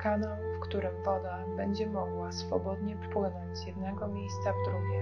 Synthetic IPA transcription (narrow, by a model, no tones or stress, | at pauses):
kanɔnfkt̪uɾɘmvɔd̪a | bɛɲd͡ʑɛmɔɡwasfɔbɔd̪ɲɛppwɘnɔɲd͡ʑzjɛd̪nɛɡɔmʲejst̪savd̪ɾuɡʲɛ